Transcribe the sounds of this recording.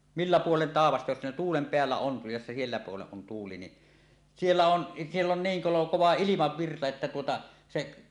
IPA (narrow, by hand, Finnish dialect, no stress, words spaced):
milːæ puolen tɑˑeʋɑstɑ jos ne tuːlem peælːæ on jos se sielːæ puolen on tuːli ni sielːæ on sielː on niːŋ kolo koʋɑ ilimɑʋːirtɑ etːæ tuotɑ seʔ